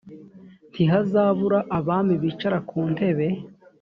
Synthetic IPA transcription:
ntʰiɦazaːβuɾaʔaβaːmiβit͡ʃaɾakʰuːnte̞βe̞

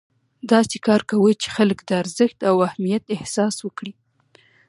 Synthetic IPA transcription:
d̪ɑsekɑɾkawət͡ʃe̥xaləkd̪əaɾzəxt̪awahmijat̪ɪhsɑswəkɽi

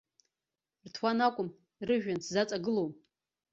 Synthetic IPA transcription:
rtʰwanakʷʼʊm | rɨʒᶣanszat͡sʼaɡɨlowm

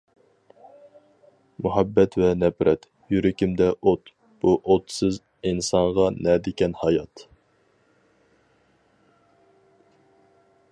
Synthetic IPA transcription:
muɦæbːɛt̪vɛnɛpɾɛt̪ | jyɾɪkʲɪmd̪ɛʔot̪ | b̥uʔot̪sɨz | insɑɴʁɑnɛd̪ɪkʲɛnhɑjɑt̪

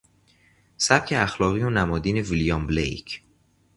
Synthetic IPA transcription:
sæb̚cʰeæxlɒːɣijonæmɒːd̪iːne̞vilijɒmblḛjcʰ

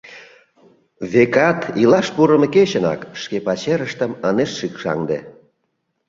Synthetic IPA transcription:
βekɑt̪ilɑʃpuɾəmeket͡ɕənɑ̰kʃkepɑt͡ɕeɾəʃt̪əməneʃːikʃɑ̰ŋd̪ḛ

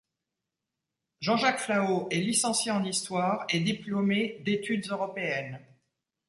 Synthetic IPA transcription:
ʒɑ̃ʒakflaoʔɛlisɑ̃sjeɑ̃nist̪waːʁed̪iplɔmed̪et̪yd̪zøʁɔpeɛn

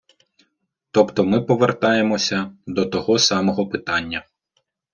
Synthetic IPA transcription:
t̪ɔpt̪ɔmɪpɔʋert̪ɑjemɔsʲɐd̪ɔt̪ɔɦɔsɑmɔɦɔpɪt̪ɑnʲːɐ

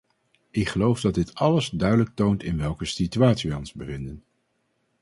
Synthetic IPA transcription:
ɪkχəlowfdɑd̚dɪtʰɑləzdœɥdələk̚towntɪnʋɛlˠkəsityaːtsiʋɛjɔnzbəvɪndən

